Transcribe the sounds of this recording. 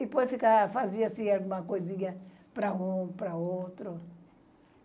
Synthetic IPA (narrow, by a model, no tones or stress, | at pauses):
ipojsfikafaziɐsĩalɡũmɐkojzĩɲɐ | pɾɐũpɾɐowt̪ɾʊ